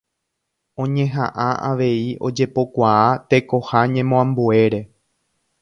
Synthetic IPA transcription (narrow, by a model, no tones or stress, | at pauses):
õ̞ɲẽ̞ɦã̰ʔãʔa̰ʋe̞io̞̰d͡ʒe̞po̞kʷaat̪e̞ko̞haɲẽmõãmbue̞ɾe̞